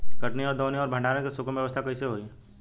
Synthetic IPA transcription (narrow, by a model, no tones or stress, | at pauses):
kɐʈniɔːɾd̪oːneɔːɾbʱə̃ɳɖaːɾẽkisʊkʰmʋjɐʋəst̪ʰakɐiseɦoːiː